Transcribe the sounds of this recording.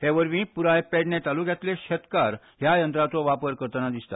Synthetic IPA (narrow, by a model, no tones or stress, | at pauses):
heʋəɾmĩːpuɾajpeɽnet̪alukjat̪leɕət̪kaɾ | ɦjajənt̪ɾat͡sɔʋapəɾkəɾt̪ənad̪ist̪a̰